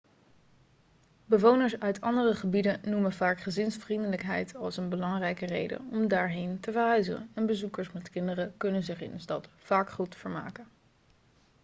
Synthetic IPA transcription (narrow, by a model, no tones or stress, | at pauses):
bəʋownəɹsœɥtʰɑndərəχəbidənnumənvaːkχəzɪnsfrindələkɦɛjtʰɑlˠsənbəlɑŋrɛjkərḛjdə̰nɔmdaːɹɦejntəvəɹɦœɥzəənɛnbəzukəɹsmɛtkɪndərəkɵnənzɪχɪ̰nənstɑtfaːkχutfəɹma̰ːkən